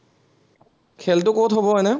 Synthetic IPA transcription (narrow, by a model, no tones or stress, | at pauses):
kʰeltʊkotɦobɔɦɔjnɛ